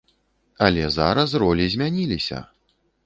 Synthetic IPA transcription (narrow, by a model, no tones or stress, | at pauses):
ɐlʲɛza̰ɾɐs̬rɔlʲizʲmʲanʲilʲisʲɐ̰